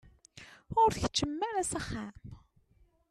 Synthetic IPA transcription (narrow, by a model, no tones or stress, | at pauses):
ʊɾçə̥t͡ʃːəmːæɾæsæχːam